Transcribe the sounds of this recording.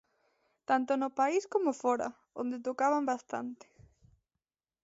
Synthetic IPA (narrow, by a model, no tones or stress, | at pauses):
t̪ant̪ʊnopaiskomofɔɾa̰ | õ̰nd̪et̪okaβambast̪a̰nt̪ɪ̥